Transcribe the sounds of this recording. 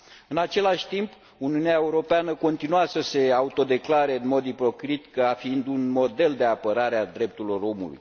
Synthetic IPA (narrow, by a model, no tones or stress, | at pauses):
ɨnat͡ʃe̞laʃʲt̪imp | uniuneaeuɾo̞peanəko̞nt̪inuasəse̞aut̪o̞d̪e̞klaɾe̞ɨnmo̞d̪ipɾo̞kɾit̪kəafiind̪unmo̞d̪e̞ld̪e̞apəɾaɾead̪ɾe̞p̚t̪uilo̞ɾo̞mṵlṵj